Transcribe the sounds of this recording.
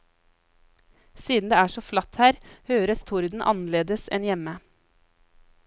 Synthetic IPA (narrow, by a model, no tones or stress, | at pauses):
siːd̪n̩d̪eːæːʂɔːflɑt̪hæːɾhøːɾəst̪ʰʊɾd̪n̩ʔɑ̰nəleːd̪əsɛ̰njɛmə